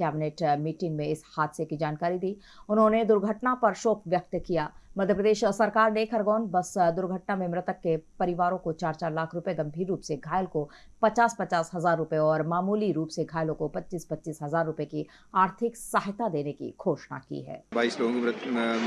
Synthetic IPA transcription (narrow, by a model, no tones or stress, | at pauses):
kɛːbɪneːʈmiːʈɪ̃ŋɡmẽɪshaːd̪sekid͡ʒaːnkaːɾid̪iːʊnɦõned̪ʊɾɡʱəʈnapɐɾʃɔːkʋjɐk̚t̪kijaːmɐd̪ʱjəpɾəd̪eːʃsɐɾkaːɾneːkʰɐɾɡɔːnbɐsd̪ʊɾɡʱəʈnamẽmɾət̪əkːepɐɾɪʋaːɾõkot͡ʃaːɾt͡ʃaːɾlaːkʰɾʊpjeɡɐ̃mbʱiːɾːuːpseɡʱaːjəlkopɐt͡ʃaːspɐt͡ʃaːsɦɐzaːɾːʊpeɔːɾmaːmuːliɾuːpseɡʱaːjlõkopɐtːʃiːspɐtːʃiːsɦɐzaːɾːʊpeki | aːɾt̪ʰɪksaːɦɪt̪ad̪eːnekḭɡʱoːʃna̰kḭɦɛ̰ːbʱaːɪsloɡõk̪